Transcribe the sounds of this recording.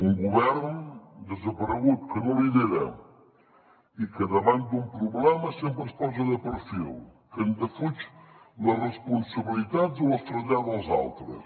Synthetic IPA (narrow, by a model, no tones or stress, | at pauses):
uŋɡuβɛɾnd̪əzəpəɾɣut̪̚kənõliðeɾɐ̰ | ikəðəβant̪̚d̪umpɾuβlɛmɐsempɾəspɔzɐðəpəɾfḭlˠ | kənd̪əfut͡ʃlərəspunsɐβilit̪ad̪zoləst̪ɾɐʎaðəlˠza̰lˠt̪ɾə̰s